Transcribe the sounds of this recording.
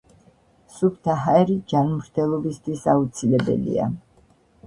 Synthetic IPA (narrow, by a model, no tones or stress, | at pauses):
supʰt̪ʰaɦaɛɾid͡ʒanmɾt̪ʰɛlˠɔbist̪ʰwisaut̪sʰilɛbɛ̰lḭa̰